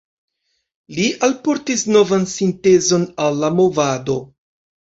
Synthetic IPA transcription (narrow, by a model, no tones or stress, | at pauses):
liʔalpo̞ɾtisno̞vansinte̞zo̞nalːamo̞vado̞